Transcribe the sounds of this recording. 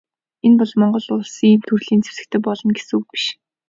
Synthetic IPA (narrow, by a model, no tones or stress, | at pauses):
enpɔɮmɔɴɢɞ̆ɮʊɮsiːmt̪ʰurɮiːnt͡sʰu̥sɘ̆kt̪ʰɘ̆pɔɮɞ̆nɡesuwpi̥ʃ